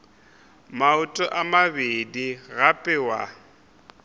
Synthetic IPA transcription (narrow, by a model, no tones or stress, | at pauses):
maʊtʼɔʔamabediɣapʼɪwa̰